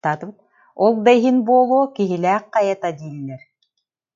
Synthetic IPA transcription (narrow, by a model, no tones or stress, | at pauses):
at̪k | ɔlˠd̪ajɦinbuɔlˠuːkiɦilæːq̚ːɑjat̪ad̪iːlːɛɾ